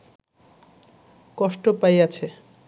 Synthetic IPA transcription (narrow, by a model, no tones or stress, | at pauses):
kɔʃʈopajat͡ɕʰe